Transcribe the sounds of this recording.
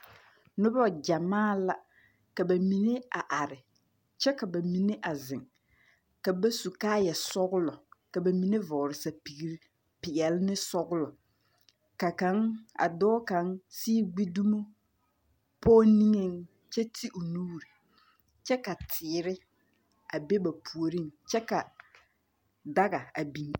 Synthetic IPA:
nʊ˦bɔ˦˨d͡ʒa˨maː˦la˨ | ka˨ba˨mi˨ne˦a˨ʔa˨ɾɪ˨ | t͡ʃɛ˦ka˨ba˨mi˨ne˦ʔa˨zɪ˨ŋ | ka˨ba˦su˨kaː˦jɛ˨sɔ˦ɣʊ˦lɔ˨ka˨ba˨mi˨ne˦vɔː˨ɾɪ˨sa˨pi˨ɾ | pɪ˨ɛ˨lɪ˦nɪ˦sɔ˦ɣʊ˦lɔ˨ | ka˨ka˨˦ŋa̰˨dɔː˦ka˨˦ŋsiː˦ɡ͡bi˦du˦mu˦ | pɔː˦ni˦ŋe˦ŋ | t͡ʃɛ˦tʰi˦ʔu˨nuː˦ɾi˨ | t͡ʃɛ˦ka˨tʰɪː˨˦ɾɪ˦ | a˨be˦ba˨pʰu˨o˨ɾi˦˨ŋt͡ʃɛ˦ka˨ | da˦ɣa˨a˨bi˨n

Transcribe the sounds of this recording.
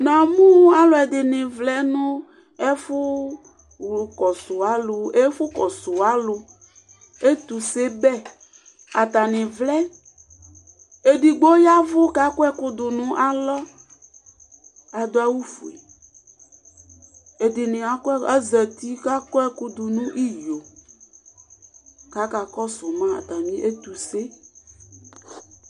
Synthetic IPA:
nã˨mũ˦a˦lo˨ɛ˨d̪ɪ˨nɪ̃˨vlɛ˦nũ˦ | ɛ˦fʊ˦ | wlu˨kɔ˨su˨a˨˦lo˨e˦fu˦kɔ˨su˨a˦lo˨ | e˦t̪u˨se˦bɛ˦ | a˨t̪a˨nɪ̃˨vlɛ˦ | e˨ɖi˨ɡ͡bo˦ja˦vo˦ka˦kɔ˦ɛ˦ku˦d̪ʊ˨nũ˨ʔa˨lɔ˦ | a˨d̪o˦a˦wu˦fṵ˨ḛ˨ | e˨de˨nẽ˨a˨kɔ˦ɛ˦ɛ˦zɛ˨t̪i˦ka˦kɔ˦ɛ˦ku˦d̪u˨nũ˦ʔi˦jo˨ | ka˨˦ka˨kɔ˦sʊ˨mã˦a̰˨t̪a˨mĩ˦ʔe˦t̪u˨se˦

